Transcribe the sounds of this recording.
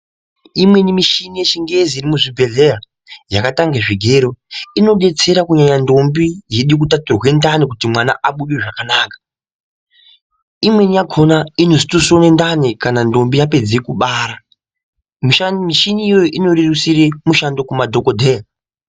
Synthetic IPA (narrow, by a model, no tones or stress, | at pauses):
imwe̞nimiʃinijet͡ʃiŋɡe̞ziːɾimuʐibʱe̞ɮe̞a | jakataŋɡeʐiɡʱeɾo̞ino̞ɗe̞t͡se̞ɾakuɲaɲando̞mbije̞ɗuik̬utaturwe̞ndanekutimwana̰ʔaɓuɗeʐakanaːkḁ | imwe̞nijaɡʰo̞naino̞si̥tusonendanekanando̞mbijape̞d͡zeikuɓaːɾa | miʃamiʃiniːjojoʔino̞ɾerusire̞muʃando̞kumadʱo̞kodʱe̞ja